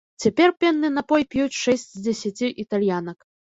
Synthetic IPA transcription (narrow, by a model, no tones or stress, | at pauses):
t͡sʲapʲɛrpʲɛnːɨnɐpɔjpʲjut͡sʲʂɛsʲt͡sʲzd͡zʲɛsʲat͡sʲiʔit̪alʲjanɐk